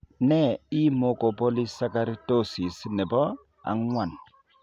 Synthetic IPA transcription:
nɛ˦˨i˦mo˨ko˨po˦li˦sa˦ka˦ɾi˦to˦si˨snɛ˨bɔ˦ | a̰˨ŋwa˨n

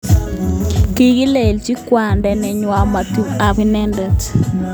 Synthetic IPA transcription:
ki˦ɡi˦le˨lt͡ʃi˦kwa˨ndɛ˨nɛ˨ɲwa˨ma˨tu˨a˨βi˦nɛ˦ndɛ˨t

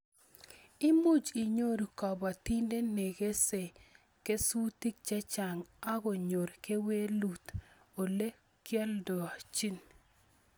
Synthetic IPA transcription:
ɪ˦mu˦d͡ʒi˨ɲo˦ɾu˨kɔ˨ba˨t̪i˦nde˦ne˨ɡe˦se˨ | ke˦su˦t̪i˦k̚t͡ʃɛ˦t͡ʃa˨ŋa˦ɡo˨ɲo˨ɾke˦we˦lu˨t̪ | o˨le˦ | kja˦ldɔ˨a˨t͡ʃi˦n

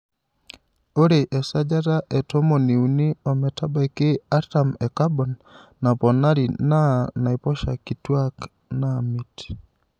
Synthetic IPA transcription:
o˦ɾe˨ʔɛ˨sa˦d͡ʒa˦ta˦ʔɛ˨tɔ˦mo˨ni˨u˨ni˦ɔ˨mɛ˨ta˦ba˨e˨kɪ˦a˦ta˨mɛ˨ka˦bɔ˨nː | a˨pɔ˨na˦ɾi˨na˦na˨i˨pɔ˦ʃa̰˨ki˨twa˦k | na˦mi˨ti̥

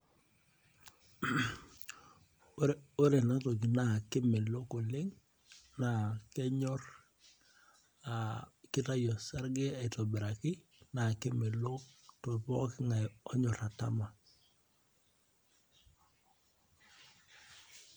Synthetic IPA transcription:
o˦ɾe˨na˨˦to˨ki˨na˨ke˦mɛ˨lo˦ko˨le˦ŋ | na˨kɛ˦ɲɔ˦ɾ | akɪ˦ta˦jɔ˨sa˦ɾɡɛ˦a˨tɔ˨bɛ˨ɾa˨kɪ˦ | na˨kɛ˦mɛ˨lo˦kto˨pɔ˦kɪ˦ŋa˨jɔ˦ɲɔ˨ɾa˨ta̰˦ma˨

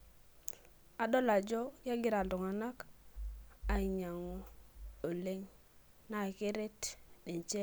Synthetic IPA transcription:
a˨ɗo˦la˨d͡ʒɔ˦ja˦ɡi˦ɾa˨du˨ŋa˨na˦k | a˨i˨ɲa˨ŋo˦o˨le˦ŋ | na˨ke˦ɾe˦tni˨ɲt͡ʃe˦

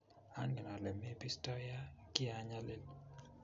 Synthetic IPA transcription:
a˦ŋɡɛ˨na˨lɛ˨mɛ˦pi˦stɔ˦ja˦ki˦aɲa˦lɪ˦l

